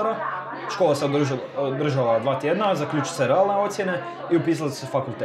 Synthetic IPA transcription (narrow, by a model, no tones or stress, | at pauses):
ɾa | ʃkoːlˠaseod̪rʒod̪r̩ʒalad̪ʋaːt̪jed̪nazakʎʲuːt͡ʃuseɾealˠne̞o̞t̪sjene̞ | iupiːs̬alassefakulˠt̪e